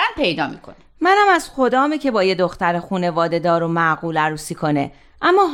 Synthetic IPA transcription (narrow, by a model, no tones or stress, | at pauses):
ænpʰejd̪ɒːmḭːkʰo̰n | mænæmæz̥xo̞d̪ɒːmicʰe̞bɒːje̞d̪o̞xt̪æɾexuːne̞vɒːd̪e̞d̪ɒːɾomæɣuːlæɾuːsiːkʰo̞ne̞̰ | ʔæmːɒː